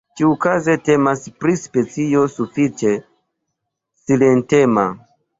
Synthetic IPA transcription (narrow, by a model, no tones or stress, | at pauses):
tiukazete̞maspɾispe̞t͡sijo̞sufit͡ʃe̞ | silentema̰